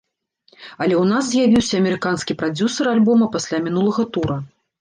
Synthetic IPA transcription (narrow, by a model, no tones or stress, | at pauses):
ɐlʲɛwnaszʲjavʲiwsʲɐːmʲɛɾɨkanskʲipɾad͡zʲusɐɾalʲbɔmɐpasʲlʲamʲinulˠɐɣɐt̪uɾɐ